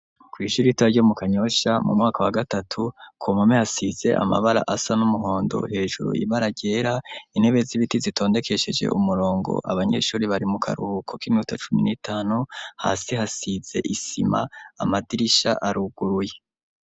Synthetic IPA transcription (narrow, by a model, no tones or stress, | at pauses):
kwiːʃuːɾiitaaɾɟomukaɲo̞ʃamṵmŋaːkawaɡatatʰukʰomamehasize̞̰ʔa̰ma̰βaɾa̰ʔasanumuɦo̞ːndo̞̰he̞ːʒuɾṵḭβaɾaɟe̞ːɾain̥he̞βe̞ziβitizitʰo̞ːnde̞kʰe̞ʃe̞d͡ʒe̞̰umuɾo̞ːŋɡo̰ʔaβaɲe̞̰ʃuːɾiβaɾimukʰa̰ɾuukʰo̞kimiutat͡ʃuminitʰaːnuha̰ːsihasiz̥e̞̰ʔisḭma̰ːmadiɾiʃa̰ʔaɾuɡ̥uɾuje